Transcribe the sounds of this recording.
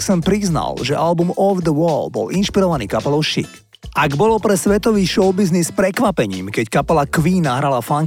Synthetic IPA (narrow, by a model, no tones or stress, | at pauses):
sɛmpɾizna̰lʒɛ̰ʔalbumɔvd̪əwɔːlbɔ̰linʃpiɾɔʋaniːkapɛlɔʊʃḭt | aɡbɔlɔpɾɛsʋɛt̪ɔʋiːʃɔʊbiznispɾɛkʋapɛɲḭːmkɛckapɛlakʋiːnaɦɾalafaŋ